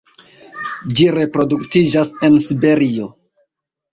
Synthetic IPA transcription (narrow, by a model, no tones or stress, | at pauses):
d͡ʒiɾe̞pɾo̞duktid͡ʒase̞nsibe̞ɾio̞